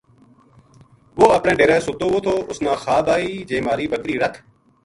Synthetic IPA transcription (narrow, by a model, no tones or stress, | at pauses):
ʋoːəpɳeːɖeːɾẽːsʊt̪oːʋoːt̪ʰoːʔʊsnãːxaːbaːiːd͡ʒẽːmaːɾiːbəkɾiːɾək̪ʰ